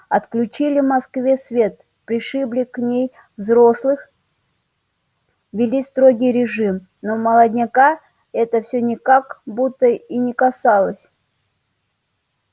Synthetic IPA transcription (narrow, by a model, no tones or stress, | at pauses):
ɐt̪klʲʉt͡ɕilʲɪvmɐskvʲe̞svʲe̞t̪̚ | pɾʲɪʂɨblʲɪknʲej | vzɾoslˠɨx | vʲɪlʲist̪ɾo̞ɡʲɪjɾʲɪʐɨm | noməlˠəd̪ʲnʲɪka | ɛt̪əfsʲɵnʲɪkakbut̪ːəinʲɪkɐsalˠəsʲ